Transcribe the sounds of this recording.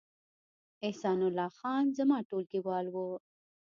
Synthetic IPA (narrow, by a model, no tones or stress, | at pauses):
ehsɑːnʊlːɑxɑːnzɐmɑʈolkiwɑːlwo